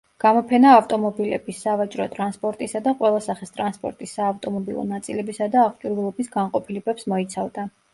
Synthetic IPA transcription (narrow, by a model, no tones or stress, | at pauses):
ɡ̥amɔpʰɛnaːft̪ʼɔmɔbilɛbisːavat͡ʃʼɾɔt̪ʼɾanspʼɔɾt̪ʼisad̪aqʼwɛlˠasaχist̪ʼɾanspʼɔ̰ɾt̪ʼisːaːft̪ʼɔmɔbilˠɔ̰nat̪sʼilɛbisad̪aːχt͡ʃʼuɾvɛlˠɔbisɡanqʼɔpʰilɛbɛpsmɔit̪sʰavd̪a